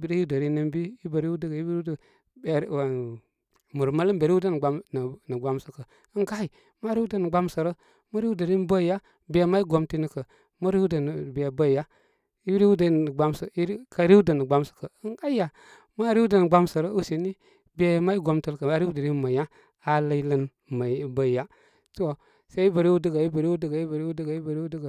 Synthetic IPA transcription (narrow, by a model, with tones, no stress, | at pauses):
bi˨ɾə˦u˦də˨ɾi˦nə˦mbi˦i˦bə˨ɾi˦wu˦də˦kə˨i˦bɾu˦d | e˨˦˨ | mu˨ɾma˦lə˦mbɾi˦u˦də˦n˨ɡ͡ba˨˦mn˨nə˨ɡ͡ba˦msə˨kə˨ | ə˦ŋɡa˦i˨ | ma˦ɾi˦wu˦də˦nə˨ɡ͡ba˦m˦sə˨ɾə˦ | mə˦ɾi˦wu˦də˨ɾi˦bə˦˨ja˦ | be˨ma˦i˦ɡo˨mti˦ni˦kə˨ | ma˦ɾi˦wu˦də˨n˨be˨bə˦˨ja˦ | i˦ɾi˦wdə˨˦n˨ə˨ɡ͡ba˦msə˨i˦ka˨ɾi˦wdə˨nə˨ɡ͡ba˦msə̥˨kə˨ə˦na˦a˨ | ma˦ɾi˦wu˦də˨nə˨ɡ͡ba˦msə˨ɾə˦u˦si˨ni˦ | be˨ma˦i˦ɡo˨mtə˦lkə˨a˦ɾi˦wdə˨ɾi˦ma˨ja˦ | a˨lə˦i˦lə˦n | ma˨˦bə˦˨ja˦ | to˦ | se˦i˦bə˨ɾi˦wu˦də˦ɡa˨i˦bə˨ɾi˦u˦də˦ɡa˨i˦bə˨ɾi˦wu˦də˦ɡa˨i˦bə˨ɾi˦wu˦də˦ɡə˨